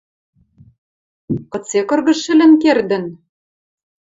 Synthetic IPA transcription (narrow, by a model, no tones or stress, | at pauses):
kɤ̆t͡sekɤ̆rɣɤ̆ʃɘ̆lɘ̆nkerd̪ɘ̆n